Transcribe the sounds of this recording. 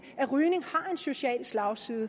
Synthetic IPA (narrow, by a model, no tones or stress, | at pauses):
æʁyːne̝ŋhɑ̈e̝nso̝ɕiɛ̰ːlslɑ̈ʊsiːðˠə